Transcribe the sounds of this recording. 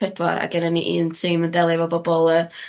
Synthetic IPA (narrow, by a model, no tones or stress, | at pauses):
ɛdwa̰ɾa̰ɡɛnəniʔiːntʰiməndɛlˠɪvɔbɔbɔlˠə